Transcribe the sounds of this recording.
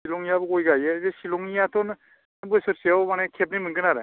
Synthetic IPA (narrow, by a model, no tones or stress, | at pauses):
ilɔŋijabɯɡojɡajezesilɔŋijatʰɔn | bɯsɯɾsiawmanekʰep̬̚nimɯŋɡɯnaɾe